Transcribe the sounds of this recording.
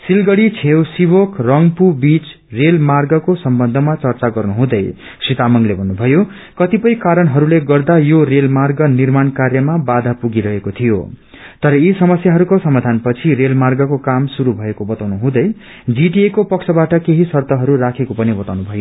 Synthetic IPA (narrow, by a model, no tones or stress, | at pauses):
silɡʌɽit͡sʰewsibokrʌŋɡpubit͡s | relmarɡʌkosʌmbʌnd̪ʱʌmat͡sʌrt͡saɡʌrnuɦũd̪ʌj | sit̪amʌŋlebʱʌnːubʱʌjo | kʌt̪ipʌjkaɾʌnɦʌɾuleɡʌrd̪ajorelmarɡʌnirmankarjʌmabad̪ʱapuɡiɾʌɦekot̪ʰijo̰ | t̪ʌɾʌisʌmʌsjaɦʌɾukosʌmad̪ʱanpʌt͡sʰirelmarɡʌkokamsuɾubʱʌekobʌt̪awnuɦũd̪ʌj | d͡ziʈiekopʌksʰʌbaʈʌkeɦisʌrt̪ʌɦʌɾurakʰekopʌnibʌt̪awnubʱʌjo